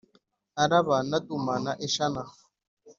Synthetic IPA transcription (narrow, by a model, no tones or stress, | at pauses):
aɾaβanatumanaʔeʃana